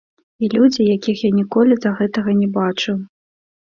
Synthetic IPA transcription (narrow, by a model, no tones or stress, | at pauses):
ilʲud͡zʲijakʲixjanʲikɔlʲizɐɣɛt̪ɐɣɐnʲɛbat͡ʂuw